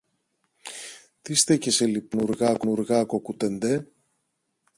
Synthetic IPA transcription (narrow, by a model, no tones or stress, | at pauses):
t̪ist̪eceselipnuɾɣɐknuɾɣɐkokut̪end̪e